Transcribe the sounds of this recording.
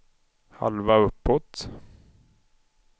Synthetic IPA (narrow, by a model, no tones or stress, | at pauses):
ha̰lvaɵpːɔt̪